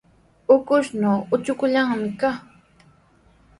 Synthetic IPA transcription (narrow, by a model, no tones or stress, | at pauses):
ʊkʊʃnoːʊt͡ʃʊkʊʎaŋmɪka